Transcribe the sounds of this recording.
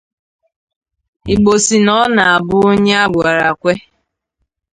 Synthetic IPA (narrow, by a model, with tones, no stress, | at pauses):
i˨ɡ͡bo˨si˨nɔ˦na˨a˨bʊ˦o˦ɲe˦a˦ɡʷa˨ɾa˨kʷe˦